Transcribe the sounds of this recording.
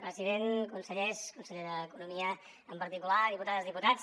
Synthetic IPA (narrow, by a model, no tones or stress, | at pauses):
pɾəziðeŋkunsəʎɛʃkunsəʎeðəəkunumiə | əmpəɾt̪ikulaðiput̪aðəzðiput̪at͡s